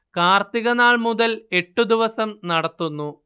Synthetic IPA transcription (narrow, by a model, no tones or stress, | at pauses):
kaːrt̪iɣɐnaːɭmuðɐle̞ʈːud̪iʋɐsɐmnɐɽɐt̪ːunːu